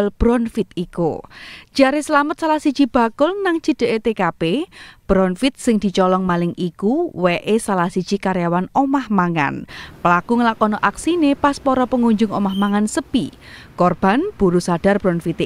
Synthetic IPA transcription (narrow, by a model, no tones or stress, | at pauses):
lb̥ɾɔnfɪt̪ikṵd̥d͡ʒ̥aɾesəlamət̪̚salasi̥d͡ʒ̥ib̥a̤kʊlnaŋd͡ʒ̥ə̤d̪̥əʔet̪ekapeb̥ɾɔnfɪt̪̚sɪŋd̪̥i̤t͡ʃɔlɔŋmalɪŋʔikuweʔesalasid̥d͡ʒ̥ikaɾjawanomahmaŋa̰npəlakuŋəlakɔnɔʔaksinepaspɔɾɔpəŋuɲd͡ʒʊŋomahmaŋansəpi | kɔrb̥a̤nb̥uɾusad̥a̤rb̥ɾɔnfit̪e